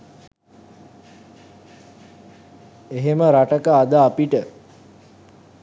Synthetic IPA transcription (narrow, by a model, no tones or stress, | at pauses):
eɦeməɾaʈəkəad̪əapiʈə